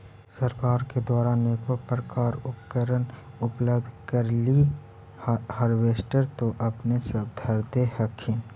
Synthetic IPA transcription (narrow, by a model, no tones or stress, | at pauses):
səɾkaːɾked̪waːɾaːnekopɾəkaːɾʊpkəɾənʊpləbd̪ʱkəɾli | həɾʋeːsʈəɾt̪oʔɐpnesəb̚d̪ʱəɾd̪ehəkʰĩ